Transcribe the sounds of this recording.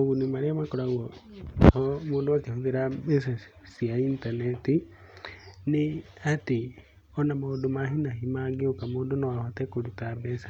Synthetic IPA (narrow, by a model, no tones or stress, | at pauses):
oɣunimaɾeamakoɾawɔ | omoːdat͡ʃehuðeɾamesa | siaintaneti | nɪ | ate | ɔnamadomaɦunaɦimaɡeokamoːdonawahotɛkoɾutabɛsḁ